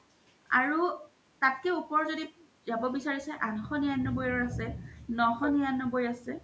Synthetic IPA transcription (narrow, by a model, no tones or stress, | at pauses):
aɹu | tatkɛupɔɹzodi | zabɔbisaɹisɛʔanxɔnianːɔbojɔɹasɛnɔxɔnijanːɔbojasɛ